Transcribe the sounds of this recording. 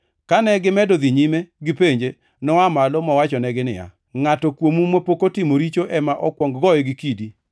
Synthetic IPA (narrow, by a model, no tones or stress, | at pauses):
kanɛɡɪmɛdoðiɲimeɡɪpeɲd͡ʒe | nɔamalɔmɔwat͡ʃɔnɛɡɪnɪ̰ja̰ | ŋatɔkwomumopokotɪmoɾit͡ʃoʔɛmaʔɔkwɔŋɡɡɔɛɡɪkidi